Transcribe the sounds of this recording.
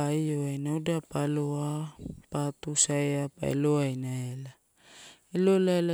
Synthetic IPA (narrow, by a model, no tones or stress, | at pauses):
aioajnaudapaloapat̪usaeapa̰ḛloajnaela | elolaela